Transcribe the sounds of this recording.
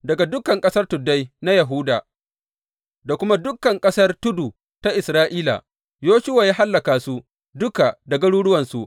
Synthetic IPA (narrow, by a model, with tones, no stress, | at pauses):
dɐ˨ɡa˨dʊ˦kɐ˨ŋkʼɐ˦sɐ˦rtʊ˨dːa˦jna˦jɐ˨ɦuː˦da̰ː˨ | da˨kʷʊ˦ma˦dʊ˦kːɐ˨ŋkʼɐ˦sɐ˦rtʊ˦duː˨ | ta˦ʔɪ˨sɾaː˦ʔiː˦la̰˨ | joː˦ʃʊ˦waː˨jaː˦ɦa˦lːɐ˨kaː˨su˦ | dʊ˦ka˨dɐ˨ɡɐ˦ɽuː˦ɽʊ˦wɐ˨nsu˨ʔ